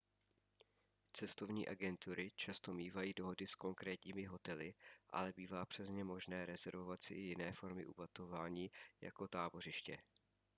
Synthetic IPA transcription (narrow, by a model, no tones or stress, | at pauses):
t͡sɛst̪o̞vɲḭːʔaɡɛnt̪uɾɪt͡ʃast̪o̞miːvajiːdo̞ɦo̞dɪsko̞ŋkɾɛːt̪ɲiːmɪɦo̞t̪ɛlɪʔa̰lɛbiːvaːpr̥ɛzɲɛmo̞ʒnɛːɾɛzɛɾvo̞vat̪sɪʔɪjɪnɛːfo̞ɾmɪʔṵbat̪ovaːɲiːja̰ko̞t̪aːbo̞r̝ɪʃcɛ̰